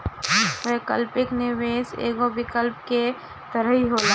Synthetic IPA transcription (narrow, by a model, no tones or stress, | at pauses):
ʋɛkəlpɪknɪʋeːsḛːɡobɪkəlp̚ke | t̪əɾəɦiɦoːlaː